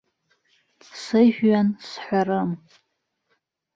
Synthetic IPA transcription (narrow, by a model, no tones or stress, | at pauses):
sɨʒᶣɥansħʷarɨm